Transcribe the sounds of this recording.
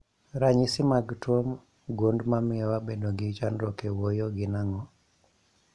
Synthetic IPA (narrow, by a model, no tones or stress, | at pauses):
ɾaɲisɪmaɡtwom | ɡondmamɪɔwabedoɡɪt͡ʃanɾɔkewojoɡɪnaŋɔ